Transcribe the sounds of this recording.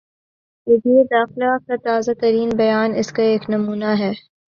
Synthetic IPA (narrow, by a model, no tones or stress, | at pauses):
ɪdied̪aːxɪlaaf̚kat̪aːzat̪ɐɾiːnbɐjaːnɪskaeːknɐmuːnaɦɛː